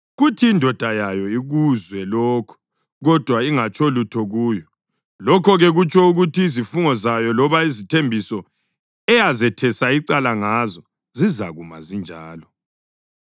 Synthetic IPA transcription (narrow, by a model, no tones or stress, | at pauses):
ɣutʰiːndʱɔd̥ʱajajɔiɣuzwɛlɔːkʰɔ̥ | ɣɔd̥ʱwaiŋat͡ʃʰʼɔlutʰɔɣuːjɔ | lɔkʰɔɣɛɣut͡ʃʰʼɔuɣutʰiːzifuŋɔzajɔlɔβaizitʰembʱisɔ | ɛjazɛtʰɛsaiǀalaŋazɔ | zizaɣuma̰zind͡ʒʱaːlɔ